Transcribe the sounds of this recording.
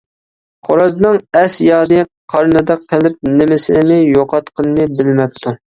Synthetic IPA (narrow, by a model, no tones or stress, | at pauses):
qʰoɾɑznɨŋɛsjɑːd̪ɨqʰɑɾnɨd̪ɑqʰːɪlɪp̚nɪmɪsɪnɪjoqɑt̪qənːɨbɪlmɛp̚t̪ʰu